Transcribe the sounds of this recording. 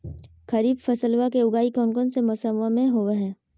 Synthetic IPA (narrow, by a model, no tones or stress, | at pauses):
kɐɾiːbfɐsəlwakeʊɡaːikɔːnkɔːnsemʊsəmːamẽɦoːeɦɛ̃ː